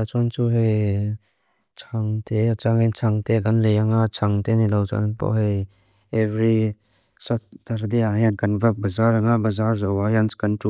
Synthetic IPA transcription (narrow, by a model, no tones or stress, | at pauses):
at͡ʃɔnt͡ʃuɦej | t͡ʃʰaŋtʰet͡ʃaŋet͡ʃʰaŋteɡanlejaŋat͡ʃʰaŋtenilawt͡ʃa̰npɔ̰ɦej | evɾi | sat̚taɾdeaŋeɡanbabɐzaɾaŋabɐzaɾzawajanskantu